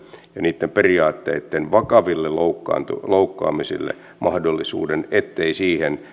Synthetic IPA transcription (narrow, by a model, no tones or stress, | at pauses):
jɑniːt̪ːemperiɑːt̪ːḛit̪ːenʋɑkɑʋilːeloukːɑ̰ːnt̪uloukːɑ̰ːmisḭlːḛ | mɑhdolːisṵːdenet̪ːeisiːhen